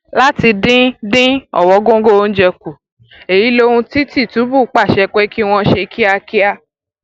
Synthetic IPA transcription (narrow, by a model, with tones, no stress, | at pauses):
la˦ti˧dĩ˦dĩ˦ɔ̰˨wɔ˨˦ɡõ˦ɡo˦o˧n̩˦d͡ʒɛ˧ku˨ | e˨ji˨˦lo˧hũ˧ti˦ti˦˨tu˨˦bu˦˨˦k͡pa˦˨ʃɛ˧k͡pɛ˦ki˦w̃ɔ̃˧ʃe˧kʰi˦a˧ki˦a˧